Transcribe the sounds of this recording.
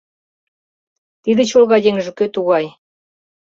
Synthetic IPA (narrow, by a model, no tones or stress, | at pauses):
t̪id̪ĕt͡ɕolˠɣɑjʲeŋʒɘ̆køt̪uɣɑj